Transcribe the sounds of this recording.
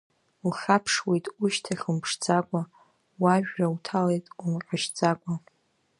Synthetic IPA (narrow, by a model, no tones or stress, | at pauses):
lχʲapʰʂwe̞jtʼuʃtʰaχʲɨmpʰʂd͡zʼakʷʼa | waʒᶣːautʰalejtʼumqʷʼaʃd͡zʼakʷʼa